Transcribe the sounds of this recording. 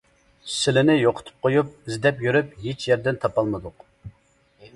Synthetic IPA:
sɪlɪnɪjoqʰʊ̥t̪ʰɨ̥p̚qʰojup̚ɪzd̪ɛpjyɾypɦet͡ʃjɛɾd̪ɪnt̪ʰɑpɑlˠmɨd̪ʊq

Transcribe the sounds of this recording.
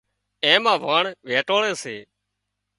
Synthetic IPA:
ẽːmãːʋaːɳʋeːʈoːɳẽːseː

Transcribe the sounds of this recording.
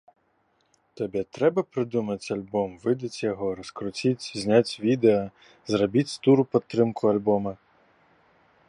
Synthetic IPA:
t̪ɐbʲɛt̪ɾɛbɐpɾɪd̪umɐt̪ʲɐlʲbɔmʋɪd̪ɐtʲjɔɦɔɾɔskɾʊt͡sʲitʲzʲnʲatʲʋʲid̪eɐ | zrɐbʲitʲst̪uɾʊpɔt̪ːɾɪmkʰʊɐlʲbɔmɐ

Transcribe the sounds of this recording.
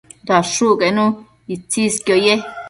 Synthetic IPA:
d̪aʂukenũ | it͡siskjoje

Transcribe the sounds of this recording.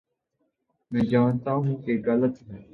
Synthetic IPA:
mɛ̃ːd͡ʒaːnt̪aːɦũkeɣɐlət̪ɦɛː

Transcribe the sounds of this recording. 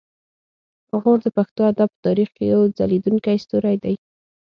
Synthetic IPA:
ɣoɾd̪əpaxt̪oad̪ab̚pːə̥t̪ɑɾixkejawd͡za̰lid̪uŋkajst̪uɾajd̪aj

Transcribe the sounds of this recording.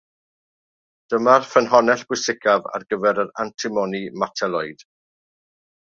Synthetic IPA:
d̥əmarfənɦɔnɛɬb̥wʊsɪkʰava̰rɡəvɛɾəɾantʰɪmɔnimatʰɛlˠɔjd̥

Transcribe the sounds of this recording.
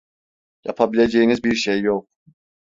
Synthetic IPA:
ja̰pʰabilʲe̞d͡ʒejinizbiɾʃejːok̚

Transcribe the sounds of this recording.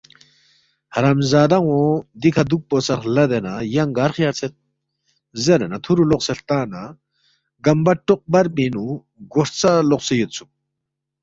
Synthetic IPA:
haɾamzad̪aŋwõd̪ikʰad̪uk̚posaχlad̪enajaŋɡaɾχjaɾt͡sʰet̪̚ | zəɾanat̪ʰuɾuloχsəlht̪ana | ɡambaʈ͡ʂoq̚baɾpenu | ɡort͡saloχsəjət̪̚t͡sʰuk̚

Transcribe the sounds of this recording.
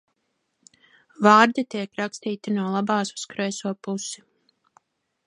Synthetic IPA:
vaːɾd̪it̪iɛkɾakst̪iːt̪inuɔlˠabaːsu̥skɾɛjsuɔpusi̥

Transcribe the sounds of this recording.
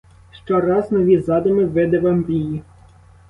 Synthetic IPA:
ʃt͡ʃɔɾɑznɔʋʲizɑd̪ɔmɪʋɪd̪ɛʋɑmɾʲiji

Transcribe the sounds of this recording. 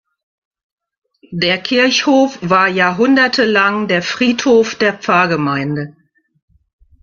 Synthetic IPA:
deːɐkʰɪɐçhoːfv̥aːɐjaːɐɦʊndɐtʰəlaŋdeːɐfʁ̥iːthoːfd̥eːɐp͡faɐɡəmaɪndə

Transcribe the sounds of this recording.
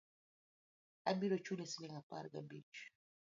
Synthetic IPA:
abiɾɔt͡ʃulesiniŋapa̰ɾɡa̰bit͡ʃ

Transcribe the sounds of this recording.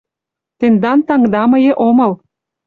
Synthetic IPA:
t̪end̪ɑnt̪ɑŋd̪ɑmɤ̆jĕʔomɤ̆l

